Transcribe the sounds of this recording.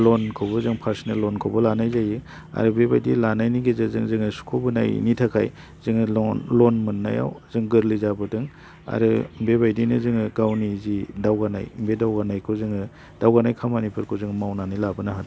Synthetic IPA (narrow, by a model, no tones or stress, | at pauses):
lonkʰɔbɯzɯŋpʰaɾsnelːoɔnkʰobɔlanajzajɯ | a̰ɾɯbebajdilanajniɡezɯzɯŋzɯŋɯsu̥kʰobɯna̰j̰nitʰakʰaj | z̥ɯŋlɔnmɯnːa̰ja̰wzɯŋɡɯɾlizabɯdɯŋ | a̰ɾɯbebajdinɯzɯŋɯɡawnizidawɡanajmbedawɡanajkʰozɯŋɯ | d̥awɡanajkʰamanipʰɯɾkʰozɯŋmawnanijlabɯnaɦada